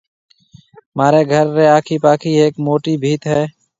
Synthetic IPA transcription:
maːɾeːɡʱəɾːeːaːkʰiːpaːkʰiːeːkmoːʈiːbʱiːt̪ɦɛː

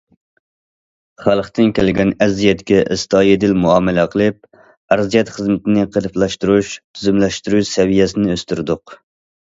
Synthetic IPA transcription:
χælˠχt̪ɪnkʲʰelɡʲɛnɛzijɛt̪kʲɛʔɪ̰st̪ɑːjid̪ɪlmuɑːmɛlɛqʰəlˠɨp̚ | æɾzijɛt̪χəzmɪt̪ɪnɪqʰəɾɨplˠɑʃt̪uɾuʃt̪ʰyzymlɛʃt̪uɾuʃsɛvijɛsɪnɪøst̪yɾd̪ʊq

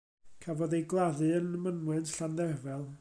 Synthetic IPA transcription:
kʰavɔðejɡlˠaðɨənəmənwɛntɬandɛvɛlˠ

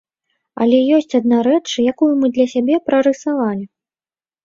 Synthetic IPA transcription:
ɐ̰lʲɛjɔsʲt͡sʲad̪̚naɾɛt͡ʂjakujumɨd̪lʲɐsʲabʲɛpɾɐɾɨsavalʲi

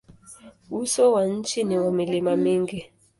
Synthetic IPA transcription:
usɔwan̩t͡ʃiniwamilimamiŋɡi

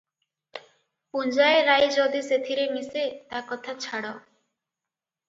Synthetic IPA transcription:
pund͡ʒaeɾajd͡ʒod̪iset̪ʰiɾemiset̪akɔt̪ʰat͡ʃʰaɽɔ

